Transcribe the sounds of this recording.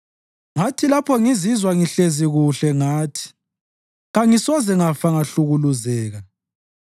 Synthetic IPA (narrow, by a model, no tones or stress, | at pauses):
ŋatʰilapʰɔŋizizwaŋiɬeziɣuɬɛŋaːtʰi̥ | ɣaŋisɔzɛŋafaŋaɬuɣuluzɛːɣa